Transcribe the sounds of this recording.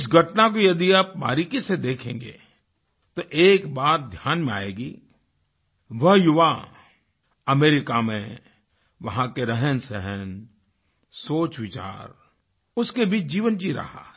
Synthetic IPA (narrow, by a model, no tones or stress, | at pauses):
ɪs̬ɡʱɐʈnakojɐd̪iaːpma̰ːɾikised̪eːkʰḛ̃ːŋɡḛ | t̪oʔeːkbaːt̪̚d̪ʱjaːnmẽa̰ːeːɡiː | ʋɐɦjʊʋa | ɐmeːɾɪkamẽ | ʋɐɦãkeɾɛɦənsɛɦən | soːt͡ʃʋɪt͡ʃa̰ːɾ | ʊskebiːt͡ʃd͡ʒiːʋənd͡ʒiɾɐ̰ɦa̰ː